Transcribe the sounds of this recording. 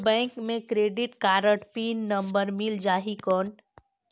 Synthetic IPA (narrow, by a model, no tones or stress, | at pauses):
bɛ̃ːŋkmẽkɾeːɖɪʈkaːɾəʈpiːnːə̃mbəɾmɪld͡ʒaːɦikɔːn